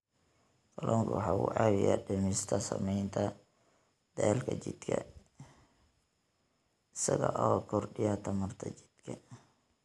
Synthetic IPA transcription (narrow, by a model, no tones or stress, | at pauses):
k̪ʰɐlʔɔːŋkʰʊwħɑːʊ̰ʕɑwɪja̰ɖɐmɪst̪ʰɐsɐmɛjnt̪ʰɐ | d̪̥ɛlkʰɐt͡ʃɪd̪kʰɐ̰ | ɪsɐɣɐʔɔkʰɔrɖɪjat̪ʰɐmɐrt̪ʰɐt͡ʃɪ̥d̪̥kʰɐ